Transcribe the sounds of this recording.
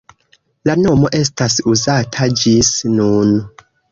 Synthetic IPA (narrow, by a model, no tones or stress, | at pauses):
lano̞mo̞ʔe̞s̬tasuzatʰad͡ʒisnun